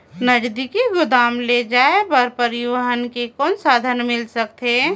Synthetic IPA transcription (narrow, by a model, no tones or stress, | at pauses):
nɐd͡ʒd̪ikiɡʊd̪aːmled͡ʒaːebəɾpəɾɪəɦənkekɔːnsaːd̪ʱənmɪlsək̚t̪ɦeː